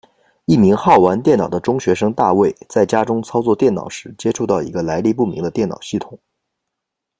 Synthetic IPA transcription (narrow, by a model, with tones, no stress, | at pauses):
i˥˩mi˧˥ŋxɑ˥˩ʊwa˧˥nt̪jɛ˥˩nɑ˨˩d̪ə˦ʈ͡ʂʊ˥ŋɕɥɛ˧˥ʂɤ˥ŋt̪a̰˥˧we˥˩ɪt͡sa˥˩ɪt͡ɕja˥ʈ͡ʂʊ˥ŋt͡sʰɑ˥ʊt͡sɔ˥˧t̪jɛ˥˩nɑ̰˨˩ʊʂɻ̩˧˥t͡ɕjɛ˥ʈ͡ʂʰu˥˧t̪ɑ˥˩ʊḭ˧˥ɡə˧la˧˥ɪli˥˧pu˥˩mḭ˧˥ŋd̪ə˧t̪jɛ˥˩nɑ̰˨˩ʊɕi˥˩t̪ʰʊ̥˨˩˦ŋ